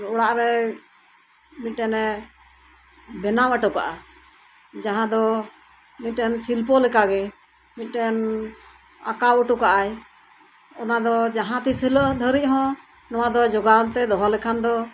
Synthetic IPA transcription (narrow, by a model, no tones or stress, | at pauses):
ɔɽaʔɾɛ | mit̪̚ˀːɛnɛ | bɛnaməʈɔka̰ʔa | d͡ʒaɦãd̪ɔ | mit̪̚ɛnsilpɔlɛkaɡɛ | mit̪̚ɛn | a̰kawəʈɔkaʔaj | ɔnad̪ɔd͡ʒaɦãt̪isiləʔd̪ʱəɾic̚ɦɔ̃ | nɔwad̪ɔd͡ʒɔɡaɔmt̪ɛd̪ɔɦalɛkʰand̪ɔ